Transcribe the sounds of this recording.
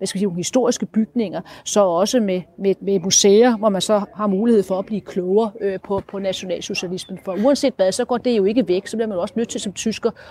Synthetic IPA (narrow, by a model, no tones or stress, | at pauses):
ʋæsɡ̥æsiːonhisd̥o̝ɐ̰isɡ̥əb̥yɡ̥ne̝ŋɐsɒ̽ɒ̽səmemememuseːɐʋɒmænsɒ̽hɑ̈muːlihe̝ð̞̰ˠfɒ̽æb̥liːkʰlɔʊɐːøpʰɒ̽pʰɒ̽næɕo̝nɛ̰ːlso̝ɕælismən̩fɒ̽uænse̝̰ːd̥ʋɛðˠsɒ̽ɡ̥ɒ̰ːd̥e̝jo̝e̝ɡ̥əʋeɡ̥sɒ̽b̥liɐmænjo̝ɒ̽sənød̥̚t͡sʰe̝lsɒ̽mt͡sʰysɡ̥ɐ